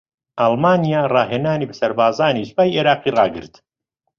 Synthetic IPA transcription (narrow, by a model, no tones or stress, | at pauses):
ʔalˠmaːnijaːrɑːɦeːnaːniːbɐsɐɾbaːzaːniːʃbaːjʔeːɾaːqiːrɑːɡɨ̰ɾt̪